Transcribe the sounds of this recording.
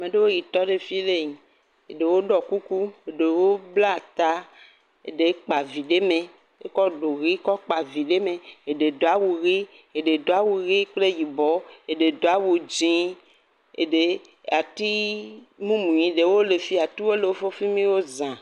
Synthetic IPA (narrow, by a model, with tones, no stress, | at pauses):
a˨mẽ˨ɖe˦wo˦ji˨t̪ɔ˦ɖe˦fi˦le˦ɲĩ˨ | e˨ɖe˨wo˦ɖɔ˨ku˦ku˦e˨ɖe˨wo˦bla˦˨t̪a˦ | ḛ˨ɖe˨˦k͡pa˨vi˨ɖe˦mẽ˨ | e˦kɔ˦ɖo˨ɣi˦kɔ˦k͡pa˨vi˨ɖe˦mẽ˨e˨ɖe˨d̪o˨a˨wu˨ɣi˦ | e˨ɖe˨d̪o˨a˦wu˨ɣi˦k͡ple˦ji˨bɔ˦e˨ɖe˨d̪o˨a˦wu˨d͡ʒĩ˦ | ḛ˨ɖe˨ | a˨t̪i˦mũ˦mũ˨ɲĩ˨ɖe˨wo˦le˨fi˦a˨t̪i˦wo˦le˨wo˦fo˦fi˦mĩ˦wo˦zã˨